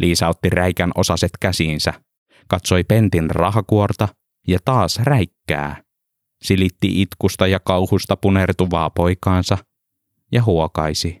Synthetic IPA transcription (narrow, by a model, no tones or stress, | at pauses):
lʔiːsɑot̪ːiræikænʔo̞sɑset̪kæsiːnsæ | kɑt̪so̞jpent̪inrɑɦɑkuort̪ɑ | jɑt̪ɑːsræikːæ̰ː | silit̪ːiʔit̪kust̪ɑjɑkɑuhust̪ɑpunert̪uʋɑːpojkɑːnsɑ | jɑɦuokɑjsi